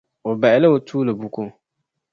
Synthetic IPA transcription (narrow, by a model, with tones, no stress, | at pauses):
o˨ba˨ɪ˦la˦o˨tʰuː˦lɨ˨bu˦ko˦